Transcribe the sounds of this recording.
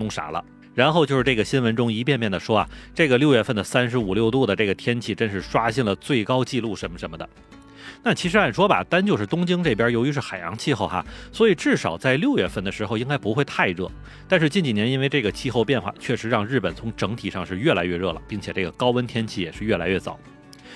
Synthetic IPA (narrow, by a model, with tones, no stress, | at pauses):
nʊ˥˩ŋʂa̰˨˥lə̰˧ | ɻa˧˥nxo˥˧ʊt͡ɕjo˥˧ʊʂɻ̩˥˧ʈ͡ʂɡə˩ɕi˥nwə˧˥nʈ͡ʂʊ˥ŋi˧˥p̬jɛ˥˧npjɛ˥˩nd̪ə˩ʂwɔ˥a̰˩ʈ͡ʂɤ˥˩ɡə˩ljo˥˧ʊɥɛ˥˧fə˥˩nd̪ə˩sa˥nʂɻ̩˧˥u˨˩ljo˥˧ʊt̪u˥˩d̪ə˩ʈ͡ʂɤ˥˩ɡə˩t̪ʰjɛ˥nt͡ɕʰi˥˩ʈ͡ʂə˥nʂɻ̩˥˧ʂwa˥ɕi˥˩ŋlə˩t͡swe˥˩ɪkɑ˥ʊt͡ɕi˥˧lu˥˩ʂə˧˥nmə˧˩ʂə˧˥nmə˧˩d̪ə˩ | na˥˩t͡ɕʰi˧˥ʂɻ̩˧˥xə˨˩nʂwɔ˥ba̰˨t̪a˥nt͡ɕjo˥˧ʊʂɻ̩˥˩t̪ʊ˥ŋt͡ɕi˥ŋʈ͡ʂɤ˥˩pjɐ˞˥jo˧˥ʊy˧˥ʂɻ̩˥˩xa˨˩ɪjɑ̰˧˥ŋt͡ɕʰi˥˧xo˥˩ʊxa̰˧˩swɔ˧˥i˨˩ʈ͡ʂɻ̩˥˩ʂɑ˨˩ʊt͡sa˥˧ɪljo˥˧ʊɥɛ˥˩fə˥˩nd̪ə˩ʂɻ̩˧˥xo˧ʊi˥ŋka˥ɪpu˧˥xwe˥˧ɪt̪ʰa˥˧ɪɻɤ̰˥˩ | t̪a˥˧nʂ̬ɻ̩˥˧t͡ɕi˥˩nt͡ɕi˨˩njɛ˧˥ni˥nwe˥˧ɪʈ͡ʂɤ˥˩ɡə˩t͡ɕʰi˥˧xo˥˧ʊpjɛ˥˧nxwa̰˥˩t͡ɕʰɥɛ˥˩ʂɻ̩˧˥ɻɑ˥˧ŋɻ̩˥˩pə˨˩nt͡sʰʊ˧˥ŋʈ͡ʂɤ˧˥ŋt̪ʰi˨˩ʂɑ˥˧ŋʂɻ̩˥˧ɥɛ˥˩la˧˥ɪɥɛ˥˧ɻɤ˥˩lə̰˩pi˥˩ŋt͡ɕʰjɛ˨˩ʈ͡ʂɤ˥˩ɡə˩kɑ˥ʊwə˥nt̪ʰjɛ˥nt͡ɕʰi˥˩jɛ˨˩ʂɻ̩˥˧ɥɛ˥˩la̰˧˥ɪɥɛ˥˩t͡sɑ̰˨˩˦ʊ˦